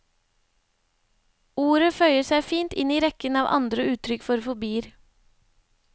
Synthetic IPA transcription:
uːɾəfœʏəsæɪfiːnt̪ɪniːɾɛkənɑːʋʔɑ̰nd̪ɾəʉːt̪ʰɾʏkfɔɾfʊbiːəɾ

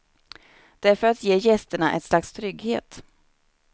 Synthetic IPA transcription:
d̪̥ɛæɾfœɾat̪jeːjɛst̪əɳaʔɛ̰t̪slakst̪ʰɾʏɡhḛːt̪

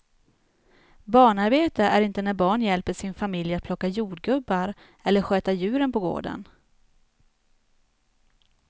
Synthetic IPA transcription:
bɑːɳaɾbeːt̪əʔæɾɪnt̪ənæɾbɑːɳjɛlpəʂɪnfamɪljat̪̚pʰlɔkːajuːɖɡɵbːaɾ | ɛlːəɾɧøːt̪ajʉ̟ːɾənpɔɡo̰ːɖə̰n

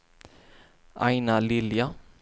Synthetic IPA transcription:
ʔaɪnalɪlja

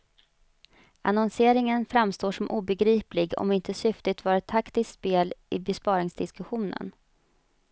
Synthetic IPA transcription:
ʔa̰nɔnseːɾɪŋənfɾamst̪oːʂɔmʔuːbɛɡɾiːplɪɡɔ̰mɪnt̪əsʏft̪ɪt̪vɑːɾət̪ʰːakt̪ɪsspeːlɪbɛspɑːɾɪŋsd̪ɪskɵɧuːnə̰n

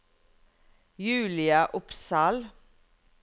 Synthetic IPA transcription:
jʉːlɪɑʔʊpsɑːl

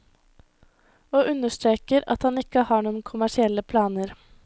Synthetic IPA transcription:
oːʔʉnːəʂt̪ɾeːkəɾɑ̰t̪hɑnɪkːəhɑːɳuːənkʰʊmæʂɪɛlːəpʰlɑːnəɾ

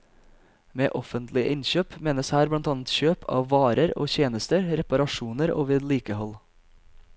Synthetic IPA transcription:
mḛːʔɔfənt̪lɪʔɪnçøːpmeːnəshæːɾblɑnt̪ɑːnət̪çøːpʰɑ̰ːʋʋɑːɾəɾo̰ːçeːnəst̪əɾɾɛpɑɾɑʃuːnəɾʔo̰ːʋeːd̪liːkəhɔl

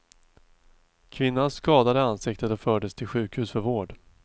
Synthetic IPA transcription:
kʰvɪnːanskɑːd̪ad̪əansɪkt̪ət̪ɔfœːɖəst̪ʰɪlɧʉ̟ːkhʉ̟ːsfœɾvoːɖ

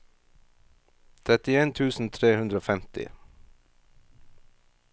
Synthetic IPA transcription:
t̪ʰɾɛt̪ɪeːnt̪ʰʉːsn̩t̪ʰɾeːhʉnd̪ɾəoːfɛmt̪ɪ̰

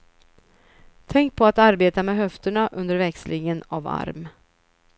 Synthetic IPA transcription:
t̪ʰɛŋk̚pʰɔat̪aɾbeːt̪amɛɦœft̪əɳaʔɵnd̪əɾvɛkslʔɪŋənava̰ɾm

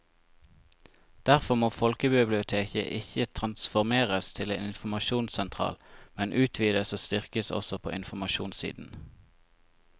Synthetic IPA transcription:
d̪̥æʁfɔmoːfɔlkəbɪblɪʊt̪ʰeːçə̰ʔɪçət̪ʰʁɑnsfɔʁmeːʁəst̪ʰɪleːnɪnfmɑʃuːnsɛnt̪ʰʁɑ̰ːlmɛnʔʉːt̪ʰʋiːd̪əsoːst̪ʏʁkəsɔ̰sɔpʰo̰ːʔɪnfɔmɑʃṵːnsḭːd̪n̩

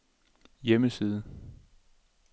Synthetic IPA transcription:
jeməsiːð̞ˠə

